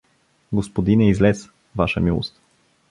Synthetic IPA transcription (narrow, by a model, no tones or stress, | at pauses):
ɡospod̪inɛizlɛs | vaʃəmilˠo̰st̪